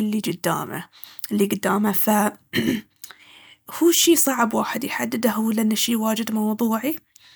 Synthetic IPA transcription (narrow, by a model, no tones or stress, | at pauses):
ɪlːid͡ʒɪd̪ːa̰ːma̰liɡʊd̪ːaːmafa | huːʃiːsˤɑʕbwaːħɪd̪jħad̪ːɪd̪ahʊwlːʔɪnːaʃiːwaːd͡ʒɪd̪mɑwðˤuːʕi